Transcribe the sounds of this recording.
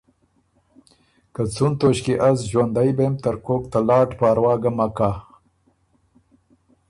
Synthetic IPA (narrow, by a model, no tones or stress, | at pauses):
kat͡sunt̪oɕkiʔazʒwand̪ajbemt̪əɾkokt̪alɑːʈpaːɾwɑːɡamakaː